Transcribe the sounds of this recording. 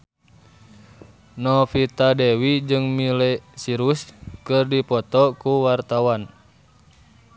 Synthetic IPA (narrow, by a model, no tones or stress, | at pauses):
nɔfit̪adɛwid͡ʒɨŋmilɛsiɾuskɨrdipɔt̪ɔkuwart̪awan